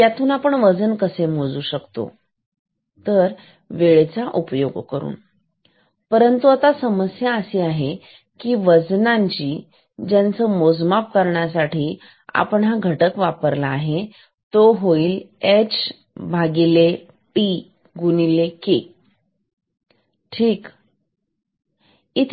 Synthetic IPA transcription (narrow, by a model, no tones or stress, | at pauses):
t̪jat̪uːnapəɳʋəd͡zənkəsemod͡zuːɕəkt̪o̰ | t̪əɾ | ʋeɭet͡saʔupjoɡkəɾṵːn | pəɾənt̪uat̪asəməsjaəseaɦe | kiːʋəd͡znãɲt͡ɕiː | d͡ʑjant͡səːmod͡zmap̚kəɾɳjasaʈʰiː | a̰pəɳaɡʱəʈəkʋapəɾlaːɦe | t̪oɦoiːlet͡s | bʱaɡile | pi | ɡunileke | ʈʰiːk | it̪ʰ